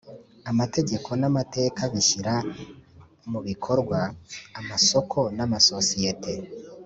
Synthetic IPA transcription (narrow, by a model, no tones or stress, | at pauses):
amate̞ɟe̞kʰo̞namate̞ːkaβiʃiɾa | muβikʰo̞ɾɡwaːmaso̞kʰo̞namaso̞sijetʰe̞